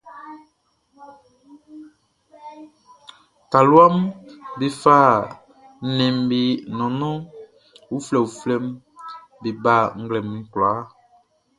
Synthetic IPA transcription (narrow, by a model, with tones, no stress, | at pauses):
ka˨lwa˦mbi˦faː˦˨ | nɛ̃˨mbi˨nɔ̃˨nɔ̃˦ | u˦flɛ˨u˨flɛ˦m | bi˨ba˦˨ŋ̩˦ɡlɛ˨mŋ̩˨klaː˨˦